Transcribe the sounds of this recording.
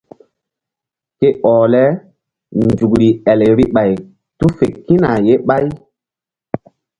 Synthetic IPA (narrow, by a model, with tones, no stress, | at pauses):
ke˦ʔɔ˨lɛ˦ | nd͡ʒu˨kɾi˨ɛ˨lɾi˦ɓa˨j | tu˦fe˨ki˦na˨je˦ɓa˦j